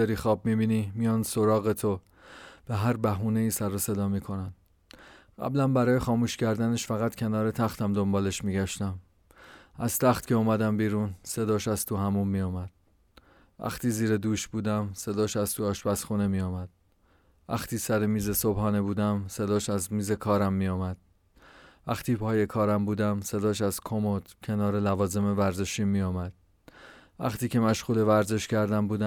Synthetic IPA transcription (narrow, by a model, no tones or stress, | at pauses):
æɾiːxɒːb̚mibiːniːmijɒːnsoɾɒːɣet̪ʰo | b̥eɦæɾbæɦuːneiːsæɾose̞d̪ɒːmiːkʰo̞næn | ɢæ̰blæmbæɾɒːje̞xɒːmuːʃcʰæɾd̪æne̞ʃfæɣæt̪cʰe̞nɒːɾe̞t̪ʰæxt̪ʰæmd̪ombɒːle̞ʃmiːɟæʃt̪æm | ʔæz̥t̪ʰæχt̪cʲʰe̞uːmæd̪æmbiːɾuːnse̞d̪ɒːʃæz̥t̪ʰuhæmumːiːjɒːmæd̪̥̚ | væ̰xt̪iːziːɾed̪uːʃbuːd̪æmse̞d̪ɒːʃæzt̪ʰuːɒːʃbæsxune̞mijɒːmæd̪̥̚ | væ̰xt̪ʰiːsæɾemiːzesobhɒːne̞buːd̪æmse̞d̪ɒːʃæzmiːzekʰɒːɾæmːiːjɒːmæd̪̥̚ | væxt̪ʰiːpʰɒːje̞kʰɒːɾæmbuːd̪æmse̞d̪ɒːʃ̬æzkʰomod̪̥cʰe̞nɒːɾelævɒːze̞mevæɾze̞ʃiːnmiːjɒːmæd̪̥ | væ̰xt̪ʰiːcʰe̞mæʃɣuːle̞væɾze̞ʃcʰæɾd̪æmbuːd̪æ